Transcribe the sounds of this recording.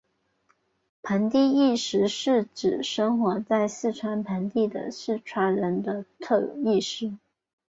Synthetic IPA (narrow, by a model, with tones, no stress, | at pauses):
pʰə˧˥nt̪i˥˧i˥˩ʂɻ̩˧˥ʂɻ̩˥˩ʈ͡ʂɻ̩˨˩ʂə˥ŋxwɑ˧˥t͡sa˥˧ɪsɹ̩˥˩ʈ͡ʂʰwa˧˥npʰə˧˥nt̪i˥˩d̪ə̰˩sɹ̩˥˩ʈ͡ʂʰwa˧˥nɻə˧˥nd̪ə˧t̪ʰɤ˥˧i˥˩ʂɻ̩˥